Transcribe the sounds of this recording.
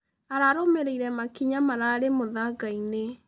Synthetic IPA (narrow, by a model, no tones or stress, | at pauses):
aɾaɾomeɾeiɾɛmakiɲamaɾaːɾemoðaɡaine